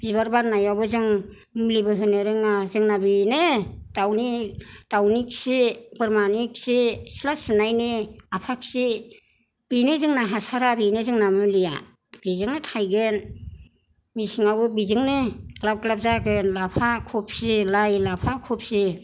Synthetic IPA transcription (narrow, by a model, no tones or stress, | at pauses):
bibaɾbaɾnajawbɯzɯŋ | mlibɯɦɯnɯɾɯŋazɯŋnabinedawnid̥awnik̚sibɯɾmanik̚sisilasɯnajniapʰaksi | b̥inɯzɯŋnaɦasaɾabinɯzɯŋnamɯlija̰ | b̥izɯŋnɯtʰajɡɯn | misiŋawbɯbizɯŋnɯklap̚klap̚zaɡɯnlapʰakʰɔp̚silajlapʰakʰɔp̚si